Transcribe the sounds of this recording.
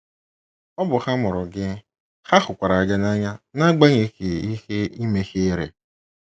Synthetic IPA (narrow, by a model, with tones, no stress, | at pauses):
ɔ˦bʊ˨xa˦mʊ˨ɾʊ˨ɡɪ˦ | xa˦xʊ˨kʷa˨ɾa˨a˨ɡa˦na˦ɲa˦na˦ɡ͡ba˦ɲe˨˦ke˨i˦xe˦i˦me˦xe˦ɾḛ˨